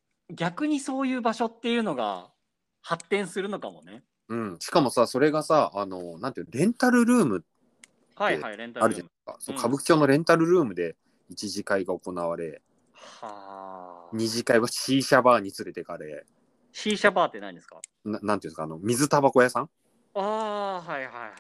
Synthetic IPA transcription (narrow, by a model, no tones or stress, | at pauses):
ɡʲakɯ̟ɲ̟iso̞ːjɯ̟ːbaɕo̞t̪ːe̞jɯ̟ːno̞ɡa̰ | hat̪ːẽɰ̃sɨɾɯ̟no̞kamo̞ne | ɯ̟̃ɴɕi̥kamo̞saso̞ɾe̞ɡasaːno̞nãnt̪eiɾẽ̞nt̪aɾɯ̟ɾɯ̟ːmɯ̟ | haeaɾẽnaɾɯ̟d͡ʒanai̥ka̰sokʰabɯ̟ki̥t͡ɕo̞ːno̞ɾẽ̞nt̪aɾɯ̟ɾɯ̟ːmɯ̟d̪e̞ | it͡ɕiʑikaiɡao̞ko̞naβ̞aɾe̞ | ha | ɲ̟iʑikaiβaɕiːɕabaːɲ̟it͡sɨɾe̞t̪e̞kaɾe̞ | ɕiːɕabaːt̪ːe̞naɲĩd̪eska̰ | nanːãnt̪eiɯ̃ska̰ːnomʲizɨt̪abako̞jasãŋ | aːɦaiha